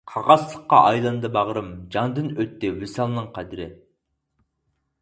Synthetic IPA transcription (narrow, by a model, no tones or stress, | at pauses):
qʰɑʁɑslˠəqːɑʔɑjlˠɨnd̪ɨbɑʁəɾɨmd͡ʒɑnd̪ɨnøt̪ːɪwɪsɑlˠnɨŋqʰæd̪ɪɾɪ